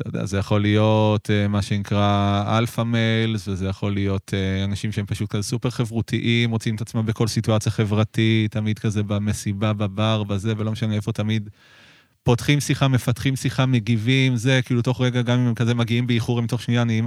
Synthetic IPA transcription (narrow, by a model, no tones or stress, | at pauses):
tod̪ḛa̰zejaχo̞lijo̞tʰemaʃe̞nikʁaalfamelsvezejaχo̞lijo̞tʰeanaʃimʃeempaʃut̚kazsupeʁχe̞vʁutʰiʔimʁot͡simet̪at͡smambeko̞lsituat͡sjaχe̞vʁatitːamid̪kaze̞bamesibababaʁbaze̞velo̞meʃaneefo̞t̪amid̪ | po̞tχimsiχamefatχimsiχameɡivimze̞kiiluto̞χʁeɡaɡamimmkazemaɡiimbeiχuʁemito̞χʃnijanim